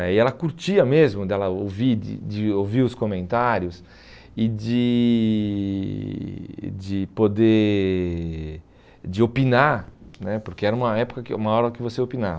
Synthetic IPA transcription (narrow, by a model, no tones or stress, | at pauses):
ɛɪɛlɐkuɾt͡ʃiɐmezmʊd̪ɛlɐoviɾd̪ɪ̰d̪ɪoviɾʊskomẽnt̪aɾjʊs | ɪd̪ɪ | d̪ɪpod̪e | d͡ʒ̪ɪopinaɾnɛpoɾkeɛɾɐũmɐɛpʊ̥kɐkɪ̰ũmɐɔɾɐkɪvoseopinavɐ